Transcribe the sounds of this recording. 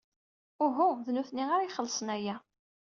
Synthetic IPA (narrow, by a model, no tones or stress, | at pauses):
ʊɦuðnuθniʁaɾiχəlːəsˤənæjæ